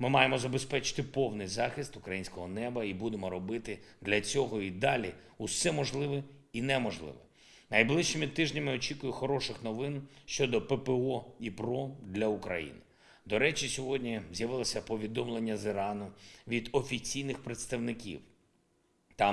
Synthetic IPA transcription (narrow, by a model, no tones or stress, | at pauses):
mɪmɑjemɔzɐbespɛt͡ʃɪ̥t̪ɪpɔwnɪjzɑxɪst̪ʊkɾɐjinʲsʲkɔɦɔnɛbɐibud̪emɔɾɔbɪt̪ɪd̪lʲɐt͡sʲɔɦɔid̪ɑlʲi | usɛmɔʒlˠɪʋɪinɛmɔʒlˠɪ̰ʋɛ | nɐjblˠɪʃt͡ʃimʲit̪ːɪʒnʲɐmɪɔt͡ʃikʊjʊxɔɾɔʃɪxnɔʋɪnʃt͡ʃɔd̪ɔpepeɔipɾɔd̪lʲɐukɾɐ̰jḭnɪ | d̪ɔɾɛt͡ʃisʲɔɦɔdʲnʲizʲjɐʋɪlˠɔsʲɐpɔʋʲid̪ɔmlˠenʲːɐzɪɾɑnʊʋʲid̪ɔfʲit͡sʲijnɪxpɾet̪st̪ɐʋnɪkʲḭw | t̪ɑ